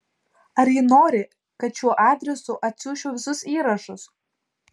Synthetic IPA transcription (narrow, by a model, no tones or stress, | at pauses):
ɐɾjɪnoːɾʲɪ | kɐt̪ʃʲuɔʔɑːd̪ʲɾʲɛsʊʔɐt̪ʲsʲuːʃʲoːʋʲɪsʊsiːɾɐʃʊs